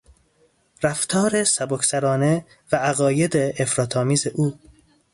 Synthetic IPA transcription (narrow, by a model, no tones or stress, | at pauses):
ɾæft̪ʰɒːɾesæbokʰsæɾɒːne | vææɣɒːje̞d̪eʔːfɾɒːt̪ʰɒːmiːzeʔuː